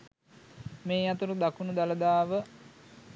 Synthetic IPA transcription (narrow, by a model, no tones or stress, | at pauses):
meːjat̪uɾud̪akunud̪aləd̪aːʋə